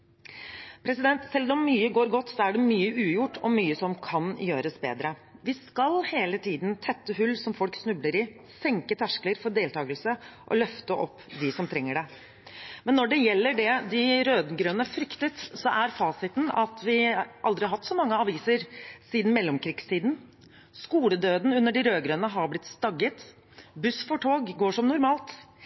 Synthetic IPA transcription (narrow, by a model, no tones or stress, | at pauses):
pʰɾɛsɪd̪ɛnt̪sɛlːɔmːyːəɡoːɾɡɔt̪ːsɔæɖɛmyːəʔʉːjʊʈːɔmyːəsɔmkʰɑnjøːɾəsbḛːd̪ɾəʋɪskɑlheːlət̪ʰiːd̪nt̪ʰɛt̪ːəhʉlːsɔmfɔlksnʉbləɾɪ | sɛŋkət̪ʰæʂkləɾfɔɖeːlt̪ʰɑːɡəlsəʔɔ̰lœft̪əʔɔpːd̪ɪsɔmt̪ʰɾɛŋːəɖɛ | mɛnːɔɖɛjɛlːəɖɛd̪ɪɾøːd̪ɡɾøːnəfɾʏkt̪ət̪sɔʔæɾfɑːsɪt̪n̩ɑt̪ʋɪʔɑld̪ɾɪɦɑt̪sɔmɑŋːəɑʋiːsəɾsiːd̪n̩mɛlːɔmkɾiːɡst̪ʰiːd̪n̩ | skuːləd̪øːd̪n̩ʉnːəɖɪɾøːɡɾøːnəɦɑɾblɪt̪st̪ɑɡːət̪ | bʉsfɔʈʰoːɡɡoːʂɔmnʊɾmɑːlt̪